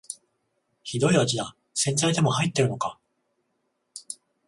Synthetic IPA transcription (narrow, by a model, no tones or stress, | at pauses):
çid̪o̞iβat͡ɕid̪a | sẽ̞nzaid̪e̞mo̞hait̪ːe̞ɾɯ̟no̞ka